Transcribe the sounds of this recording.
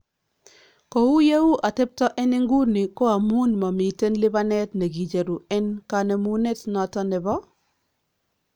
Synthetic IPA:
ko˨wu˦je˦wu˦ʔa˨tɛ˦p̚tɔ˦ʔɛ˦nɪ˦ŋɡu˦nɪ˨kɔ˦a˨mu˦nma˨mi˨te˦nlɪ˦ba˦nɛ˦tne˨ɡi˨d͡ʒe˨ɾu˨ɛ˦nka˨nɛ˨mu˦ne˦tnɔ˨tɔ˦nɛ˨bɔ˦

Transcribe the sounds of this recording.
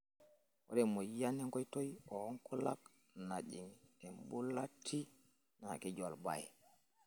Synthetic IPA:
wo̰de˨mo˨ja˦ni˦ŋko˦jto˦jo˦ŋku˦la̰˦k | na˨d͡ʒi˨ŋe˨mbu˦la˦tʰːi˦ | na˨ki˦d͡ʒo˨lba̰˨j

